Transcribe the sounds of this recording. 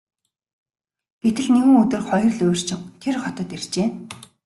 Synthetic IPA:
ɡ̥et̪ɘ̆ɮneɣɘ̆ŋɵt̪ɵ̆rχɔjɞ̆rɮɵːr̥t͡ɕɪ̆ŋt̪ʰerχɔt̪ɞ̆t̪er̥t͡ɕeː

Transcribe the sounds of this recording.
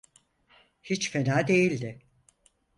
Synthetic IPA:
hit͡ʃfenaːd̪e̞jilʲd̪ɪ

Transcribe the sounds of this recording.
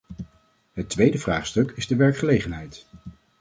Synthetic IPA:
ɦətʋejdəvra̰ːχstɵkɪzdəʋɛɹkχəlejχənɦɛjt

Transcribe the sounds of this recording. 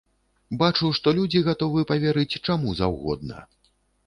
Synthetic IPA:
bat͡ʂuwʂt̪ɔlʲud͡zʲiɣat̪ɔvɨɛpɐvʲɛɾɨt͡sʲt͡ʂamuza̰wɣɔ̰d̪̚nɐ̰

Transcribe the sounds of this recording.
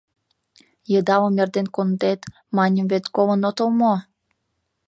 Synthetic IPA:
jəd̪ɑomerd̪enkond̪et̪ | mɑnʲəmβet̪kolə̆not̪olmo

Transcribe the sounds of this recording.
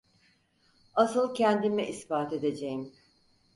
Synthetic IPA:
asɯlˠcʰɛnd̪imɛʔisbaːt̪e̞d̪e̞d͡ʒejim

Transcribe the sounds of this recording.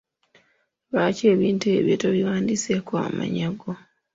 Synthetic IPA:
βaːce̞ːβiːntue̞βjo̰toβiwaːndisekoa̰ma̰ɲaɡo

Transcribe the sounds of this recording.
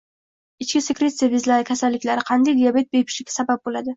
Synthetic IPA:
ɪt͡ʃkʲɪsekɾe̞t̪sɨjavizlaɾɪkʲʰasalːɪkʲlaɾɪqʰɑnd̪ajd̪ijabe̞t̪̚bepʰɪ̥ʃlɪkʲḁsabap̚bolad̪ɪ

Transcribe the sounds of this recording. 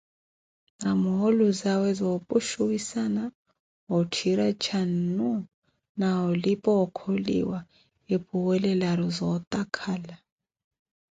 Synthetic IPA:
namɔɦoluzawɛzɔpʼuʃuwisana | ɦɔtʰiɾat͡ʃʰanːu | naɦɔlipʼɔɔkʰolḭwa | epʰʼuwɛlɛlaɾɔzɔt̪ʼakʰaːla

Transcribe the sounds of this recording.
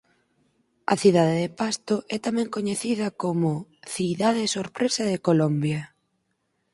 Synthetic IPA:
ɐ̰θiðaðeðepast̪oʔɛt̪amɛ̃ŋkoɲeθiðɐkomʊθiðaðɪsoɾpɾesɐðekolombjɐ

